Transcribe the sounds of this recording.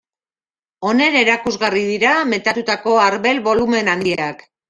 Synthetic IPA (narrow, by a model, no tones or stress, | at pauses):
o̞ne̞ne̞ɾakuzɣariðiɾame̞t̪at̪ut̪ako̞aɾβe̞lβo̞lume̞nand̪iak